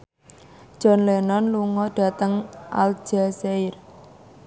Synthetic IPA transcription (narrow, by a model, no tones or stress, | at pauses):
d̥ʒ̥ɔ̤nlenɔnluŋɔɖ̥a̤t̪əŋʔa̰l̥d͡ʒ̥aseɪr